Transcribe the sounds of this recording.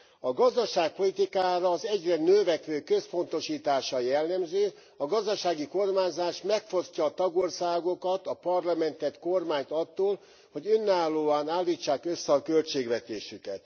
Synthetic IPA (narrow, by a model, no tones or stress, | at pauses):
ɒɡɒzd̪ɒʃaːk̚po̞lit̪ikaːɾɒːzɛɟrɛnøːvɛkʋøːkø̞spo̞nt̪o̞ʃiːt̪aːʃɒjɛlːɛmzøː | ɒɡɒzd̪ɒʃaːɡiko̞rmaːɲzaːʃmɛkfo̞scɒːt̪ɒɡo̞rsaːɡo̞kɒt̪ɒpɒrlɒmɛnt̪ɛt̪ko̞rmaːɲt̪ɒt̪ːoːl | ho̞ɟønːaːlːoːaːnaːlːiːt͡ʃːaːkø̞sːɛɒkølt͡ʃeːɡʋɛt̪eːʃykɛt̪